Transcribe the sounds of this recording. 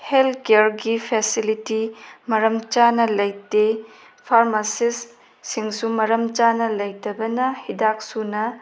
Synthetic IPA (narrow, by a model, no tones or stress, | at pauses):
heltʰkeɾɡipʰesilitimɐɾɐmt͡ʃanɐlɐjte | pʰaɾmasisː | iŋsumɐɾɐmt͡ʃanɐlɐjtɐbɐnɐhidak̚sunɐ